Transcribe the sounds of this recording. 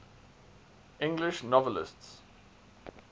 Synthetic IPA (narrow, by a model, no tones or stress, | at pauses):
ɪ̃ŋɡlɪʃnɔvəlɪ̰sts